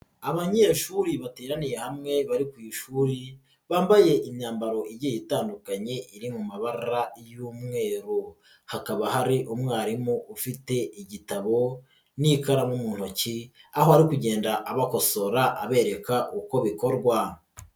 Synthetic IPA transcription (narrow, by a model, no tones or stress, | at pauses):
aβaɲeːʃuɾiβateːɾanije̞hamŋe̞βaɾikuiʃuːɾi | βaːmbaje̞ʔiɲɲaːmbaɾo̞ʔiɟejitaːndukaɲe̞ʔiɾimumaβaɾɾajuːmŋe̞ːɾo | hakaβahaɾiʔumŋaːɾimuʔufite̞iɟitaβo̞ | nikaɾamumuːn̥hociaho̞haɾikuɟe̞ːndaʔːβako̞so̞ɾaʔaβe̞ːɾe̞kaʔuko̞βiko̞ɾɡwa